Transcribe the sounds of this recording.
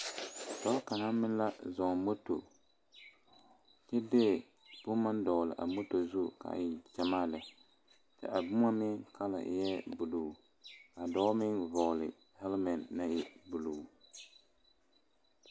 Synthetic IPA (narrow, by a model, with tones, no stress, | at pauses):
dɔ˦lka˨na˦mɪ˦nla˦zɔ˨ŋmo˦to̰˨ | t͡ʃɛ˦deː˦˨ | b̥ʊ˦ma˦n˦dɔ˨ɣlɪ̰˨ʔa̰˨mo˦to˨zu˦˨ka̰˨ɪ˨t͡ʃɛ˨maː˦lɨ˨ | tɪ̰˦˨ʔa˨bʊ˦ŋa˦mɪ˦ŋkʰa˦la̰˨ʔɪ̰˨jɛ˦bu˨lo˨ | a˨dɔ˦mɪ˦nvɔ˨ɣlɪ˨ | hɛ˦lmɛ˨nːa˦ɪ˨bu˨lu˨